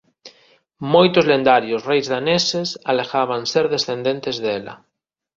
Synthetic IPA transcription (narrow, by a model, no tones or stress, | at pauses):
mojt̪ozlẽnd̪aɾjosrejzðanesesalexaβ̞anseɾðesθẽnd̪ent̪ezðela̰